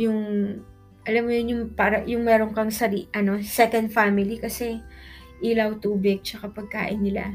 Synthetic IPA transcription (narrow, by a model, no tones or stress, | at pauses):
jʊŋ | ʔɐlamːʊjʊnjʊŋpaːɾɐjʊŋmɛːɾo̞ŋkɐŋsɐɾiʔɐno̞sɛkɐnd̪famɪlikɐsɛ | ʔɪlawt̪uːbɪɡ̚t͡ʃɐkapɐɡ̚ka̰ːʔɪnːɪla̰